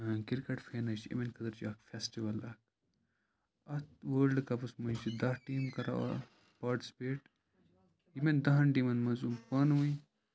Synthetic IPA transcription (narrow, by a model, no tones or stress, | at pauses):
kiɾkɐʈfeːnɐt͡ʃḭmenkʰɐt̪ɐɾt͡ʃɐːkfesʈiʋɐlɐk̚ | ɐt̪ʋəːlɖkɐpusmɐt͡ʃid̪ɐhʈiːmkɐɾa̰ɐ̰ | pɐːʈspeːʈ | jimend̪ɐɦɐnʈimɐnmɐzumpɐnʋui